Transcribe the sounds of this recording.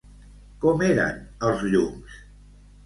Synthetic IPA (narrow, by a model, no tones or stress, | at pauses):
kɔmeɾə̰nəlˠzʎums